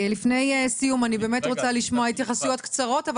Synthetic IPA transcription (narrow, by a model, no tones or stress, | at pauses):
lifne̞jsijumanibe̞ːme̞t̪ʁo̞t͡saliʃmoait̪jaχasujo̞t̪kt͡saʁo̞tav